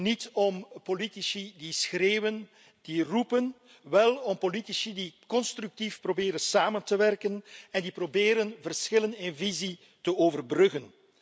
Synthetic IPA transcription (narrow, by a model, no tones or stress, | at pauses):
nitɔmpolitisidisxreːwən | d̥irupən | ʋɛlˠɔmpolitisidikɔnstryk̚tifprobɪːɾənsaːməntəʋɛrkənɛndiprobeːɾənvərsxɪlənɪnvizi | təoːvərbrɵɣən